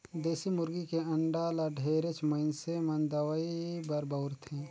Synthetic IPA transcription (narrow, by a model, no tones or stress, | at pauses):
d̪eːsimʊɾɡikeɐ̃ɳɖaːlaɖʱeːɾet͡ʃməɪnsemɐnd̪ɐwaibɐɾbɐʊɾt̪ʰẽː